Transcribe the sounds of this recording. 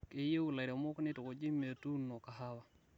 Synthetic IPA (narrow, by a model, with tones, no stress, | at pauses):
ke˦je˦wu˨la˨ɾe˨mo˦kne˦tu˨ko˨d͡ʒi˦me˨tu˦no˨ka˨ɦa˦wa˨